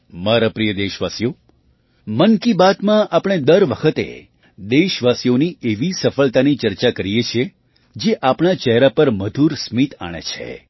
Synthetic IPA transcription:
maɾapɾijəd̪eʃʋasjo | mənkibat̪mãʔapɽ̃ed̪əɾʋəkʰət̪ḛ | d̪eʃʋasijonieʋisəfəlt̪anit͡ʃəɾt͡ʃakəɾijet͡ʃʰe | d͡ʒeʔapɳ̃at͡ʃɛɦɾapəɾməd̪ʱuɾsmit̪a̰ɽ̃ḛt͡ʃʰḛ

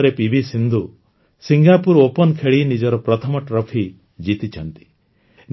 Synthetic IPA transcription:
ɾepibʱisind̪ʱu | siŋɡapuɾopɔnkʰeɭinid͡ʒɔɾɔpɾɔt̪ʰɔmɔʈɾɔpʰi | d͡ʒit̪it͡ʃʰɔnt̪i̥ | n

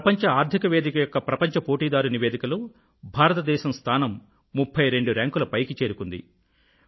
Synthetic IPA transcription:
ɐpɐɲt͡ʃɐaːɾd̪ʱikɐʋe̞ːd̪ikɐjɔkːɐpɾɐpɐɲt͡ʃɐpo̞ːʈiːd̪aːɾuniʋeːd̪ikɐloː | bʱaːɾɐt̪ɐd̪ɛːʃɐmst̪ʰaːnɐmː | upʰːɐjɾe̞ɳɖuɾaːŋkulɐpɐjkit͡ʃeːɾukund̪ḭ

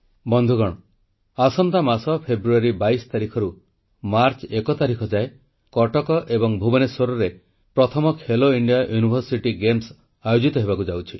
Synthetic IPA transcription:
bɔnd̪ʱuɡɔɽ̃ɔ | asɔnt̪amasɔpʰebɾuaɾibaisɔ̥t̪aɾikʰɔɾu | maɾt͡ʃekɔt̪aɾikʰɔd͡ʒae | kɔʈɔkɔʔebɔŋbʱubɔnesoɾɔɾe | pɾɔt̪ʰɔmɔkʰeloiɳɖijajunibʱɔɾsiʈiɡems | ajod͡ʒit̪ɔɦebakud͡ʒawt͡ʃʰi

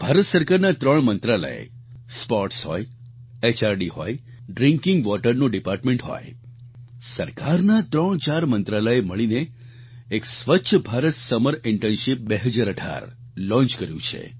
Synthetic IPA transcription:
b̥ʱaɾət̪səɾkaɾnat̪ɾəɳmənt̪ɾalə̰ḛ | spɔɾʈsɦɔ̰j | et͡ʃaɾɖiɦɔ̰j | ɖɾɪ̃ŋkɪ̃ŋɡʋɔʈəɾnoɖipaɾʈmẽɳʈɦɔ̰j | səɾkaɾnat̪ɾəɳ̃t͡ʃaɾmənt̪ɾaləeməɭine | eksʋətːʃʰəbʱaɾət̪səməɾɪɳʈənʃɪp̚beɦəd͡ʒaɾəʈʰa̰ɾ | lɔ̃nt͡ʃkəɾjṵ̃t͡ʃʰḛ

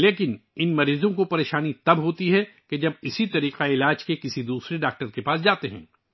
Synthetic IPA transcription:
leːkɪnɪnmɐɾiːzõkopɐɾeːʃaːnit̪ɐbɦoːt̪iɦɛked͡ʒɐbɪsit̪ɐɾiːqaɪlaːd͡ʒkekɪsid̪uːsɾeɖaːk̚ʈəɾkepaːsd͡ʒaːt̪eɦɛ̰̃ː

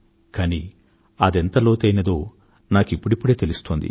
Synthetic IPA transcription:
kaːni | ɐd̪ɛnt̪ɐloːt̪ɐjnɐd̪oː | naːkipːuɽipːuɽe̞ːt̪e̞lust̪oːnd̪ḭ

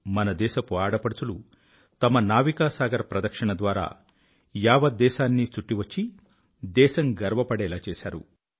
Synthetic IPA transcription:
mɐnɐd̪ɛːʃɐpuaːɽɐpɐɽut͡sulu | t̪ɐmɐnaːʋikaːsaːɡɐɾɐpɾɐd̪ɐkʂɐɳɐd̪ʋaːɾa̰ː | jaːʋɐd̪ːɛːʃaːnːit͡ʃuʈːiʋɐt͡ʃːi | d̪ɛːʃɐŋɡɐɾʋɐpɐɽɛːlaːt͡ʃɛːʃaːɾṵ

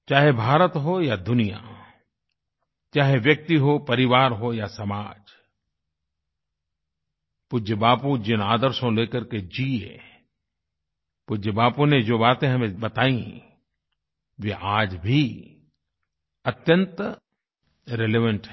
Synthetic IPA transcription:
t͡ʃaːɦebʱaːɾət̪ɦojad̪ʊnija̰ | t͡ʃaːɦeʋjɐk̚t̪iɦopɐɾɪʋaːɾɦojasɐmaːd͡ʒ | pʊd͡ʒəbaːpud͡ʒɪnaːd̪əɾsõleːkəɾked͡ʒiːḛ | pʊd͡ʒəbaːpũned͡ʒoːbaːt̪ẽɦɐmẽbɐt̪aːĩ | ʋeʔaːd͡ʒbʱi | ɐt̪jə̃nt̪ | ɾeleːʋə̃ɳʈɦɛ

